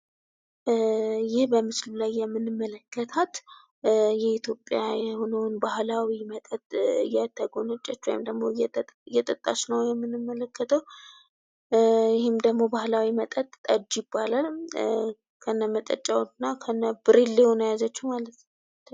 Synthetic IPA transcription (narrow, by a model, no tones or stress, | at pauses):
jɪhbəmɨslulajːɛmːɨnɨmːələkːət̪ʰat̪ | jɛit̪ʰjo̞pʼjajɛho̞nəwnbahlawimət̪ʼət̪ʼɨjːɛt̪ʰəɡonət͡ʃʼːat͡ʃːwɔ̰jimd̪əɡmo̞ɨjːɛt̪ʼət̪ʼːa̰t͡ʃnəwjɛmːɨnːɨmːələkʰːət̪ʰəw | jɪhɪmd̪əɡmo̞bahlawimət̪ʼət̪ːʼəd͡ʒːjɪbːalal | kʰənːəmət̪ʼə̰t͡ʃʼawnːakʰənːəb̥ɨɾilːehonəjazət͡ʃːumalət̪ʰ